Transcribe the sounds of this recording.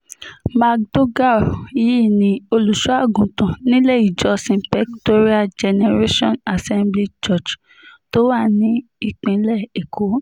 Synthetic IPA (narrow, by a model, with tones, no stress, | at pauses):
ma˧k̚do˦ɡa˦˨i˦˨nĩ˧o˧lu˨ʃu˦a˦˨ɡũ˨tã˨nĩ˦le˦˨i˨d͡ʒɔ˧sĩ˧pɛ˦kto˦ɾi˦a˦d͡ʒɛ˧nɛ˧ɾe˦ʃɔ̃˦na˨sɛ̃˦mbli˦t͡ʃɔ˦˨t͡ʃ | to˨˦wa˦˨nĩ˨˦ | i˦˨k͡pĩ˨˦lɛ˦˨e˨kʰo˨˦